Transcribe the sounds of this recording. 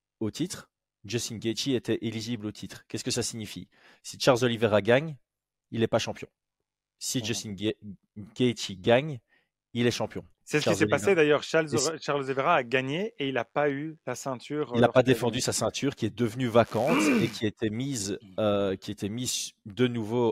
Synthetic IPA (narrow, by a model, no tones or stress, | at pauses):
ot̪ʰit̪χ | d͡ʒesinɡʲet͡ʃ̪iet̪ɛʔiliʒiblot̪ʰit̪χkʲɛskəsasiɲifḭ | siʃaʁlzɔliveʁaɡaɲ | ilɛpaʃɑ̃pjɔ̰̃ | sid͡ʒesin | ɡet̪iɡaɲ | ilɛʃɑ̃pjɔ̃ | sɛsəkilsɛlipased̪ajœːʁʃaʁlzeveʁaːɡaɲeeilapaylasɛ̃t̪ʰyːʁilapad̪efɑ̃d̪ysasɛ̃t̪ʰyːʁkʲiɛd̪əvnyvakɑ̃t̪ekʰʲiaet̪ɛmizøkʲiet̪ɛmizd̪ənuvo